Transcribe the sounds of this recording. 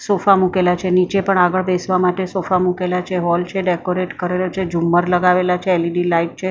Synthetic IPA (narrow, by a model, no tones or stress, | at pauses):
sofamukelat͡ʃʰenit͡ʃepəɳaɡəɭbesʋamaʈesofamukelat͡ʃʰeɦɔlt͡ʃʰeɖekoɾeʈkəɾelot͡ʃʰed͡ʒumːəɾləɡaʋelat͡ʃʰeːliɖilaiʈ̚t͡ʃʰe